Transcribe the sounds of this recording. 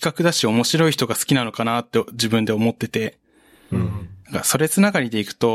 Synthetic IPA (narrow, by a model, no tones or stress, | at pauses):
kakɯ̟d̪aɕio̞mo̞ɕiɾo̞içi̥t̪o̞ɡasɨ̥kʲinano̞kanat̪ːe̞ʑibɯ̟̃nd̪e̞o̞mo̞t̪ːe̞t̪e̞ | nãŋkaso̞ɾe̞t͡sɨnaɡaɾʲid̪e̞ikɯ̟̥t̪o̞